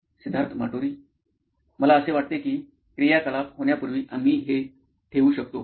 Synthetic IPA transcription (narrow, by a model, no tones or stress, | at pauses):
sud̪ʱaɾt̪ʰma̰ʈoɾiː | məlaəseʋaʈ̚t̪ekiː | kɾijakəlapɦoɳjapuɾʋiːʔam̤iːɦe | ʈʰeʋuːɕək̚t̪o